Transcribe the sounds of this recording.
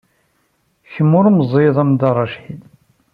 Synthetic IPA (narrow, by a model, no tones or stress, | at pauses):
çəmːʊɾməzˤiðˤæmd̪ɑɾˤɑʃin